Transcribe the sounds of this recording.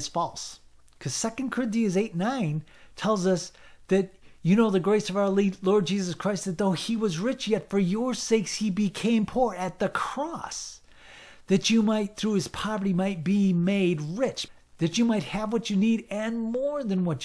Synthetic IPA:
z̥fɔlˠs | kʰʌz̥sɛkɨ̃nkʰə˞ɪ̃ntiɨzeɪtⁿnãɪ̃n | tʰɛlˠzʌsðɨt͡ʃɨnoʊðɨɡɹeɪsʌvaʊə˞lilɔɹd̚d͡ʒizʌskʰɹ̥aɪst̪̚ðɨt̪̚ðoʊiwʌzɹɪt͡ʃjɛtfə˞jə˞seɪkshibɨkʰẽɪ̃mpʰuɹɨt̪̚ðɨkʰɹ̥ɔs | ðɨt͡ʃɨmaɪt̪̚θɹuɨz̥pʰɑvə˞ɾimaɪt̚b̥imeɪd̚ɹɪt͡ʃ | ðɨt͡ʃɨmaɪt̚hɨvwʌt͡ʃɨniɾɨ̃nmɔɹðɨ̃nwʌt͡ʃ

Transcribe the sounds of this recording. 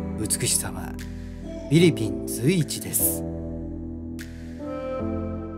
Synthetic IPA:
ɯ̟t͡sɨ̥kɯ̟ɕi̥sama̰ | bʲiɾʲipʲĩnt͡sɨiːt͡ɕid̪e̞sɨ̥

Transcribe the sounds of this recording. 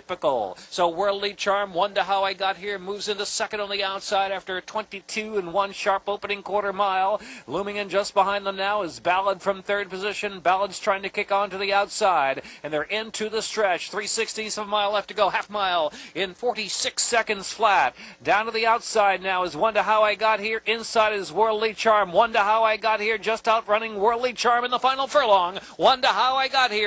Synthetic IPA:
ɪpɨkl̩ˠsoʊwɜ˞lˠdˡlit͡ʃʰɑɹmwʌ̃ntɨɦaʊaɪɡɑt̚hiɹmuvzɪ̃ntɨsɛkɨ̃ndn̩ðiaʊtsaɪɾæftə˞tʰw̥ɛ̃ntitʰʉɨ̃nwʌ̃nʃɑɹpoʊpənɪ̃ŋkʰw̥ɔɹɾə˞maɪlˠlũmɪ̃ŋɨ̃nd͡ʒʌsb̥əɦãɪ̃nðə̃mnaʊɨzbælˠəd̥fɹʌ̃mθɜ˞d̚pɨzɪʃɨ̃nbælˠədz̥tʰɹ̥aɪɪ̃ŋtʰɨkʰɪkn̩tɨðiaʊtsaɪɾɨ̃nðə˞ʔɪ̃ntʰɨðɨstɹ̥ɛt͡ʃθɹisɪkstĩnsʌvəmaɪlˠæftɨɡoʊhæfmaɪlˠɪ̃nfɔɹɾisɪksɛkɨ̃ndz̥flæt̚d̥ãʊ̃ntɨðiaʊtsaɪdⁿnaʊɨzwʌ̃ntɨɦaʊaɪɡɑt̚hiɹʔɪ̃nsaɪɾɨzwɜ˞lˠdˡlit͡ʃʰɑɹmwʌ̃ntɨɦaʊaɪɡɑt̚hiɹd͡ʒʌstaʊt̚ɹʌnɪ̃ŋwɜ˞lˠdˡlit͡ʃʰɑɹmɨ̃nðəfãɪnl̩ˠfə˞lɔ̃ŋwʌ̃ntəhaʊaɪɡɑt̚hi

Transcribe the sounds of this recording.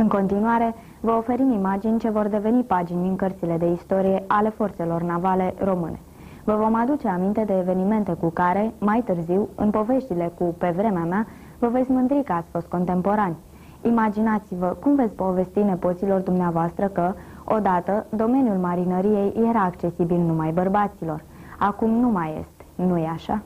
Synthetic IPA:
ɨŋko̞nt̪inuaɾe̞ | vəo̞fe̞ɾimimad͡ʒinʲt͡ʃe̞vo̞rd̪e̞ve̞nipad͡ʒinʲiŋkərt̪sile̞d̪e̞ist̪o̞ɾije̞ʔale̞fo̞rt̪se̞lo̞rnavale̞ro̞mɨne̞̰ | vəvo̞mad̪ut͡ʃe̞amint̪e̞d̪e̞ːve̞nime̞nt̪e̞kukaɾe̞majt̪ɨrziwɨ̰npo̞ve̞ʃt̪ile̞kupe̞vɾe̞meamea | vəve̞t̪sʲmɨnd̪ɾikəat̪sʲfo̞st̪̚ko̞nt̪e̞mpo̞ɾanʲ | imad͡ʒinat̪sivəkumvet̪sʲpo̞ve̞st̪ine̞po̞t̪silo̞rd̪umneavoast̪ɾəkəo̞d̪at̪əd̪o̞me̞njulmaɾinəɾije̞jje̞ɾaːkt͡ʃe̞sibilnumajbərbat̪silo̞r | akumnumaje̞̰st̪nujeaʃa

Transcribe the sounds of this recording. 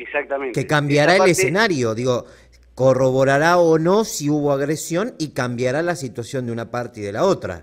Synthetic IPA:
esak̚t̪amẽnkekambjaɾaelesenaɾjo̞ðiɣo̞ | ko̞roβo̞ɾaɾaono̞siuβo̞aɣɾesjo̞nikambjaɾalasit̪wasjo̞nd̪unapaɾt̪eiðelao̞t̪ɾa̰

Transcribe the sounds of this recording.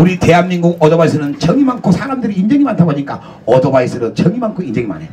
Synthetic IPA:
uɾite̞ɦanminɡuɡʌdʌbais̬ʰɯɾɯnt͡ɕʌŋimankʰosʰaɾamdɯɾiːnd͡ʑʌŋimantʰaboɲik͈a̰ | ʌdʌbaisʰɯɾɯnt͡ɕʌŋimaŋkʰoind͡ʑʌŋima̰ne

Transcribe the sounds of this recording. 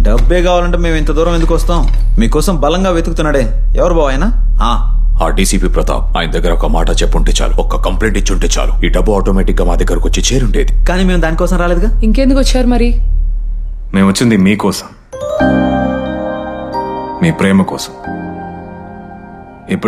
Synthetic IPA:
ɖɐbːe̞ːkaːʋaːlɐɳʈeːme̞ːment̪ɐd̪uːɾɐmend̪ukʋɐst̪aːm | miːkɔːsɐmbɐlɐŋɡaːʋeːt̪ukut̪unːaːɽeː | ɛʋɐɾubʱaːʋaːjɐnaː | aː | aːɖiːsiːpiːpɾɐt̪ʰa̰ːma̰ːjinɐd̪ɐɡːɐɾɐɔkɐmaːʈɐt͡ʃɛpːuɳʈeːt͡ʃa̰ːluɔkːɐkɐmpleːɳʈit͡ʃːuɳʈeːt͡ʃa̰ːluiːɖɐbːuaːʈoːmeːʈikːɐmaːd̪ɐkaːɾukot͡ʃːit͡ʃe̞ːɾuɳɖe̞ːd̪ikaːniːmeːmd̪aːnikɔːsɐmɾaːleːd̪uɡaːiŋkeːnd̪ukʋɐt͡ʃːaːɾumɐɾi | me̞ːmɐt͡ʃːind̪imiːkɔːsɐ̥m | miːpɾeːmɐkɔːsɐ̥m | ipːu

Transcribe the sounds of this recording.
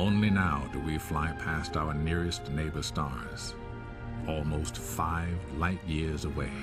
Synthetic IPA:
õʊ̃nlinaʊdɨwiflaɪpʰæstaʊə˞nɪɹɨsneɪbə˞stɑ̰ɹ | z̥ | ɔlˠmoʊstfaɪvlaɪʔ̚jɪɹzəweɪ

